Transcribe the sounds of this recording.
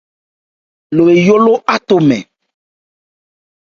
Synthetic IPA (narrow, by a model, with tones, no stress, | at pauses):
lo˨e˨jo˦lo˦ʔa˦t̪o˨mɛ̰̃˨